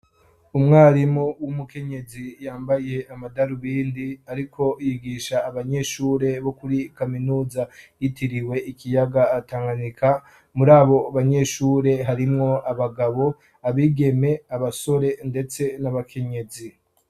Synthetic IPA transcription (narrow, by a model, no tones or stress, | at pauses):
umŋaːɾimuwumuke̞ɲe̞zijaːmbaje̞amadaɾuβiːndiaɾikʰo̞jiɡiːʃaːβaɲe̞ʃuːɾe̞βo̞kuɾikaminuːzajitiɾiwe̞ikijaɡaːtaːŋɡanikʰa | muɾaːβo̞aβaɲe̞ʃuːɾe̞ɦaɾimŋo̞aβaɡaβo̞ | aβiːɡe̞me̞aβaso̞ɾe̞nde̞t͡se̞naβakʰe̞ɲe̞zi